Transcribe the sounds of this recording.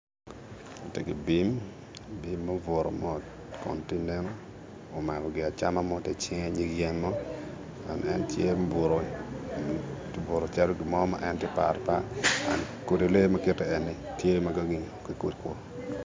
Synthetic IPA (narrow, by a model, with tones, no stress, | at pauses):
o˨tɛ˨ɡi˨bi˦m | bi˨mːa˦vo˨ɾo̰˨mɔ˦t | kɔ̰˨nti˦ne˦noː˦˨ | ma˨lɔ˨ɡɪ˨a˨t͡ʃa˦ma˦mɔ˦tɛ˦t͡ʃɪ˦ŋɛ˦ɲi˦ɡjɛ˦nmɔ˦ | a̰˨nɛ̰˦ntje˦bo˨ɾo˨˦ | bo˨ɾo˨t͡ʃa˦lo˦ɡɪ˨mɔ˦ma̰˦ʔɛ˦ntje˦pa̰˨ɾpa˦a˨n | ko˨do˨le˦mɐ˦kɪ˦tɛ˨ɛ˨nːi˨ | tje˦ma˦ɡa˦ɡi˦˨ŋ | ki˨ku˦dkwɔ˨